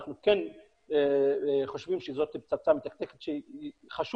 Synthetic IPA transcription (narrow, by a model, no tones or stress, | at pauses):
χnuken | eχo̞ʃvimʃɛzot̪pt͡sat͡samet̪akt̪eket̪ʃeiχaʃ